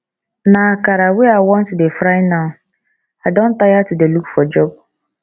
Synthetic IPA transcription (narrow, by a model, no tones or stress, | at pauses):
nãakaɾaweawɔ̃ntʊdefɾaɪnã | adɔ̃n̩tajatʊdelukfɔd͡ʒɔb̚